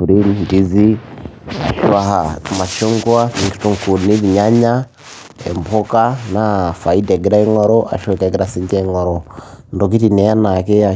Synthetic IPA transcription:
u˨ɾi˦nndi˦zi˦ | a̰˨ʃa˦ɦa˨ma˨ʃo˦ŋɡwa˦ki˨ŋɡi̥˨tu˨ŋku˨ni˦βi˨ɲa˦ɲa˦ | ḛ˨mpʰɔ˦ka˦na˨fa˨i˦da˨ɡi˦ɾa˦i˦ŋɔ˦ɾɔʔa̰˨ʃɔ˦ka˨ɡi˦ɾasi˦ɲd͡ʒɛ˦ŋɔ˨ɾɔ˨ndo˨k̬i˦ti˨nɛ˨ja˦na˨kɛ˦a˨

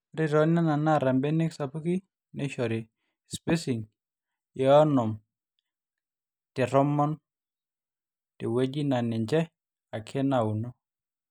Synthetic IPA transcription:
ɾɪ˦ɾɔ˨˦na˦na˨na˦˨ɾa˨mbe˦ne˦ksa˨pu˦ki˦ | nɛ˦ʃɔ˨ɾɪ˨ | spe˦si˨ŋ | jɛ˦ɔ˦nɔ˨m | tɪ˨ɾɔ˦mɔ˦n | tɪ˨we˦d͡ʒi˦na˨nɪ˨ɲd͡ʒɛ˦ | a˨kʰɛ˦na˨u˨nɔ˦

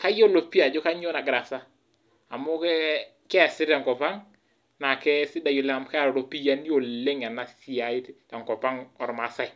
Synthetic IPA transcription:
ka˦jo˦lo˨pi˦a˨d͡ʒo˦ka˦ɲo˦na˨ɡɾa˨sa˦ | a˨mʊ˦kɛ˦ | kɛ˦˨sɪ˦ɾa˨ŋkɔ˨pa˦ŋ | na˨kɛ˦sɪ˦da˨jo˨le˦a˨mka˦ɾɔ˨ɾo˨pi˦ja˦ni˦o˨le˦ŋa˨na˦si˦˨a˨ɪ˦tta˨ŋkɔ˨pa˦ŋɔ˨ɾma˨sa˦˨j

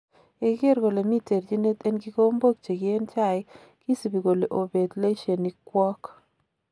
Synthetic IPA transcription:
e˦ɡe˦ɾɡo˨le˨mi˦te˨ɾd͡ʒi˦ne˦t̪e˦nɡi˦ko˦mbo˦k̚t͡ʃe˨ɡi˦e˦nt͡ʃa˦˨ɪ˦ | ki˦si˨bi˨ɡo˨le˨ʔo˨be˨d̪le˦ʃe˨ni˨kwɔ˦k

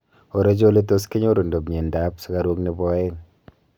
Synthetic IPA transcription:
o˨ɾe˦d͡ʒo˦le˦to˦skɪ˦ɲo˦ɾo˨ndo˨bɲe˨nda˦psʊ˨˦ka˨ɾu˦kni˨bɔ˦e˦ŋ

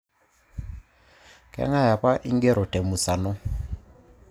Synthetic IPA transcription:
kɛ̰˦ŋa˦ja˨pa˦ʔi˦ŋɡɛ˦ɾʔɔ˨tɛ˨mu˨sa˨nɔ˦

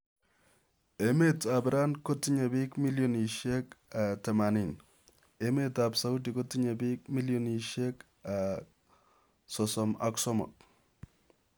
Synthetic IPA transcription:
eme˦tabɾa˦nko˦tːi˦ɲa˨bi˦kmi˦ljɔni˨ʃɛ˦katɛ˨ma˨ni˨n | eme˦tabsa˦u˦di˨kotːi˦ɲabi˦k̚mi˦ljɔni˨ʃɛ˦k | a | sɔsɔma̰ksɔ˦mɔ̰˨t̚

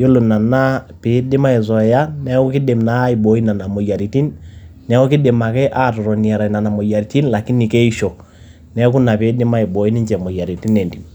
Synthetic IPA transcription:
jo˦lo˨na˨na˦pe˨˦dɪ˦ma˦i˨zɔ˨ja˦nɛ˦kɔ˦kɪ˦dɪ˨mna˨˦i˨bɔ˨˦i˦na˨na˨mɔ˨ja˨ɾi˨ti˦nnɛ˨˦kɔ˦kɪ˦dɪ˨ma˨kɛ˦ʔa˦˨tɔ˨ɾɔ˨ni˨ɛ˨ɾa˨i˨na˨na˨mɔ˨ja˨ɾi˨ti˦nla˨kɪ˦ni˨ke˦i˦ʃo˨ | nɛ˦ku˦na˨pe˨˦dɪ˦ma˦i˨bɔ˨˦i˦ni˦ɲd͡ʒɛ˨mɔ˨ja˨ɾi˨ti˦nɛ˨ndi˨n

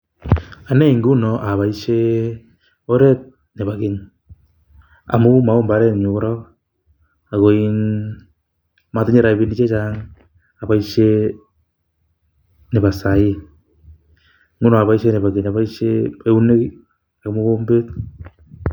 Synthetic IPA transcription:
a˨ne˦i˨ŋɡu˦no˨ʔa˨βa˨i˦ʃe˦ | o˦ɾe˦t̚ | ne˨βa˨ɣe˨ɲ | a̰˨mo˦ma˨o˦mba˨˦ɾe˦ɲu˨ɣo˦ɾo˦ɣ | a˨ɣo˨i˦n | ma˦te˦ɲe˦ɾa˨e˨βi˦ni˦t͡ʃe˦t͡ʃa˦ŋ | a˨βa˨i˦ʃe˦ | ne˨βa˨sa˨i˦ | ŋɡu˦no˨a˨βa˨i˦ʃe˦ne˨βa˨ɣe˨ɲa˨βa˦i˦ʃe˦e˦u˦ne˦ɣi˦ | a˨ɣmo˦βo˦mbe˦t

